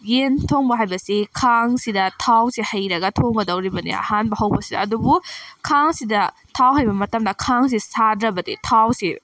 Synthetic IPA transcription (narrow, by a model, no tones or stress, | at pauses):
jentʰoŋbɐɦajbɐsikʰaŋsidɐtʰawsihɐjɾɐɡɐtʰoŋɡɐdɐwɾibɐnḭɐ̰hanbɐɦɐwbɐsidɐɐdubukʰaŋsidɐ | tʰawɦajbɐmɐtɐmdɐkʰaŋs̬isadɾɐbɐdḭtʰawsi